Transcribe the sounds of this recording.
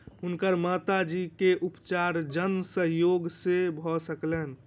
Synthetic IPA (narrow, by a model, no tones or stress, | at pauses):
unkəɾmat̪ad͡ʒikeʔupt͡ʃaɾd͡ʒənsəɦjoɡsebʱɔsəklen